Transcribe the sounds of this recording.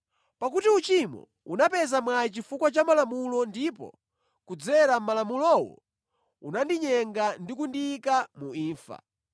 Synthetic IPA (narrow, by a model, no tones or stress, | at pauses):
pak̬utiut͡ʃimɔ̰ | unapɛzamwait͡ʃifukwat͡ʃamalamulɔndipɔ̰ | kud͡zɛɾamalamulɔwɔ̰ | ṵnandiɲɛŋɡandikundikamuiːɱfa̰